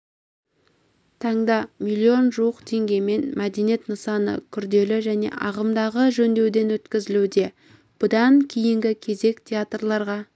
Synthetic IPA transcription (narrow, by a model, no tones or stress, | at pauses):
t̪ʰɑɴd̪ɑmʲilʲːio̞nʒuwəqt̪ʰe̞ŋɡʲe̞me̞nmæd̪enije̞t̪nəsɑnə̰kʲʰʏɾd̪e̞lɪʒæne̞̰ʔɑʁəmd̪ɑʁəʒɵnd̪e̞wd̪e̞nwɵt̪kʲɪzɪlud̪e̞ | b̥ʊd̪ɑŋkʲʰejɪŋɡʲɪkʲʰe̞ze̞kt̪ʲʰeat̪rlˠɑɾʁɑ